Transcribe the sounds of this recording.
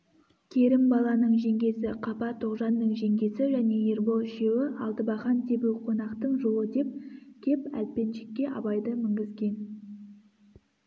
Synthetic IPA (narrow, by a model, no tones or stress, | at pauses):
kʲʰe̞ɾɪmbɑlˠɑnəɴʒe̞ŋɡʲe̞sɪqʰɑpɑt̪ʰoqʒɑnd̪əɴʒe̞ŋɡʲe̞sɪʒæne̞je̞ɾbo̞lˠʃe̞wɪʔɑlˠt̪əbɑχɑnt̪ʰe̞buwqʰo̞nɑqt̪əɴʒo̞lˠəd̪e̞p̚kʲʰe̞pæ̰l̚pe̞nʃekʲːe̞ʔɑ̰bɑjd̪əmɪŋɡʲɪzɡʲe̞n